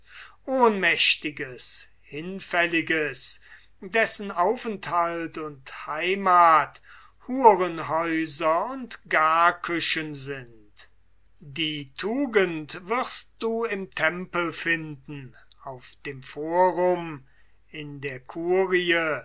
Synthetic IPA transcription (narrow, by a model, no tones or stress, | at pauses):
ʔoːnmɛʃtɪɡəs | hɪnfɛlɪɡəs | dɛsən̩aʊfɛnthaltʊnthaɪmaːt | huːʁənɦɔʏzɐʊntɡ̥aɐkʰʏʃənzɪnt | diːtʰuːɡəntv̥ɪʁst̚d̥uːɪmtʰɛmpəlfɪndn̩ | aʊfd̥eːmfoːʁʊm | ɪndeːɐkʰuːʁiə